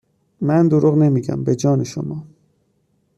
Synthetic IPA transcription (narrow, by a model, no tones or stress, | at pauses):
mænd̪oɾuɣne̞miːɡæ̰mbe̞d͡ʒɒːneʃo̰mɒː